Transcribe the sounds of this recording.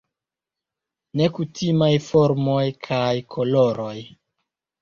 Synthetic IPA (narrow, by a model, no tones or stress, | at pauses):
ne̞kutimajfo̞ɾmo̞jkʰajkʰoloɾo̞j